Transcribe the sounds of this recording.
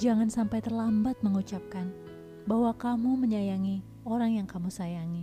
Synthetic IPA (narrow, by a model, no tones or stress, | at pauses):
d͡ʒaŋansampajt̪ərlambat̪̚məŋut͡ʃap̚kan | bahwakamuməɲajaŋi | oɾaŋjaŋkamusajaŋi